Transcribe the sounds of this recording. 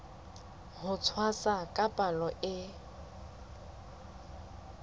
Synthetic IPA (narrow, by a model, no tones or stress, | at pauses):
hʊt͡sʰwasakʼapʼalɔʔɪ